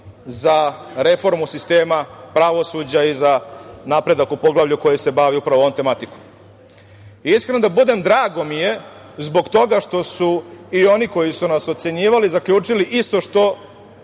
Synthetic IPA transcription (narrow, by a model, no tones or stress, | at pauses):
za | ɾe̞fo̞ɾmusist̪e̞ːmapɾaʋo̞sud͡ʑaizanapɾe̞d̪akupo̞ɡlˠaʋʎuko̞jise̞baʋiupɾaʋoont̪e̞mat̪iku̥ | iskɾenod̪abud̪e̞md̪ɾaːɡo̞mije̞ | zbo̞ɡt̪o̞ɡaʃt̪o̞suio̞niko̞jisunasot̪se̞ɲiːʋalizakʎʲuːt͡ʂiliʔist̪o̞ʃt̪o̞